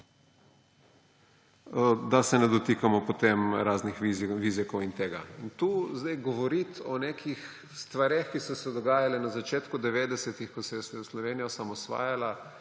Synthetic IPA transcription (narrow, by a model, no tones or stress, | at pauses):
d̪asɛnɛd̪ɔt̪ikamɔpot̪emɾaːznixʋizikɔwint̪eːɡaint̪uːzd̪ajɡɔʋɔɾit̪ɔneːkʰix | st̪ʋaɾexkisɔsɛd̪ɔɡaːjalɛnazat͡ʃeːt̪kud̪ɛʋeːd̪ɛsɛt̪ixkɔsɛjɛsɛjɛslɔʋeːnijɔsamɔsʋa̰ːjala